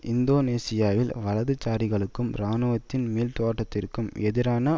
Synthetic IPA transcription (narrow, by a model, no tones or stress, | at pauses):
ʔɪnd̪oːneːsɪjaːʋɪlʋɐlɐðɯt͡ʃːaːɾɪɣɐɭɯkːɯmɾaːnɯʋɐt̪ːɪnmiːlt̪oːʈːɐt̪ːɪrkɯmɛðɪɾaːnɐ